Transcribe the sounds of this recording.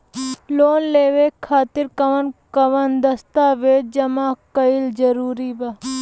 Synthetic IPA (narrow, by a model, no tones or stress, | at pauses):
loːnleːʋekʰːaːt̪ɪɾkɐʋənkɐʋənd̪ɐst̪aːʋeːʈ̚d͡ʒɐmaːkɐild͡ʒɐɾuːɾiba